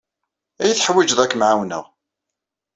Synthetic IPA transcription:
æjəθħwid͡ʒðækːmʕawnə̰ʁ

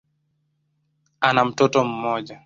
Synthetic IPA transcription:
anamtɔtɔmːɔd͡ʒa

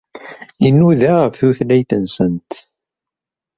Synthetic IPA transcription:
inːuðæʁəfθuθlæjθənsənt̪

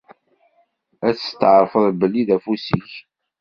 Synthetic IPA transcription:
æt͡sːt̪ːəʕɾˤfəðˤbəlːiðæfusḭç

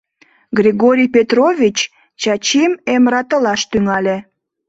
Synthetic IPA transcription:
ɡrʲiɣoɾʲijpet̪rovʲit͡ɕ | t͡ɕɑt͡ɕimemɾɑt̪əlɑʃt̪yŋɑlʲe

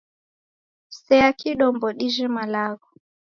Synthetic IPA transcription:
sɛakʰiɗɔmbɔɗiʒɛmalaɣɔ

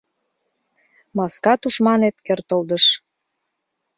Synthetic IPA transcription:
mɑskɑt̪uʃmɑnet̪kørt̪əld̪əʃ

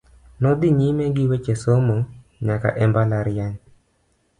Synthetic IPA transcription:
nɔd̪iɲimeɡɪwɛt͡ʃesomo | ɲaka̰ʔɛmbalaɾɪjaɲ

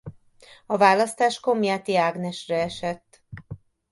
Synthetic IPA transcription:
ɒvaːlɒst̪aːʃko̞mjaːt̪iaːɡnɛʃrɛɛʃɛt̪ː

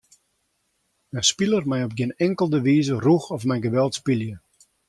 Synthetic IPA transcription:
ənspilˠərmɛjɔp̚ɡɪənɛŋkəlˠdəʋiːzəruxɔfmɛjɡəʋɛlˠtspiljə

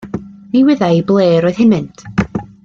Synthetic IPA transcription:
niwɪðajblˠeːɾɔɨð̥hɪmɨntʰ

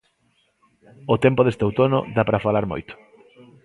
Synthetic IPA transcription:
ʊt̪empʊðest̪owt̪onʊ̰d̪apɾɐfalaɾmo̰jt̪ʊ̥

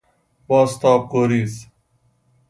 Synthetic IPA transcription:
baːst̪aːp̚koːɾiːs

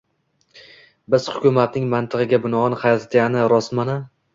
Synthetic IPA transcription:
bɪz̥hʊkʲʊmat̪̚nɪŋmant̪ʰɨʁɪɡʲabɪnɒɒnhajɒt̪ʰat̪ʰanɪɾɒsmana

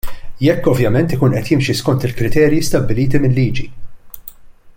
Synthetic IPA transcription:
jɛkːɔvjɐmɛnt̪ɪkuːnʔɛt̪jɪmʃiskɔnt̪ɪlkɾɪt̪ɛːɾjist̪ɐbːɪliːt̪imɪlːiːd͡ʒi

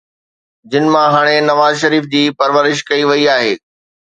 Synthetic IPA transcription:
d͡ʑɪnɪ̆mãɦaːɽ̃enɐʋaːzʃɐɾiːfd͡ʑiːpɐɾʋəɾɪʃkɐiʋɐiaːɦeː

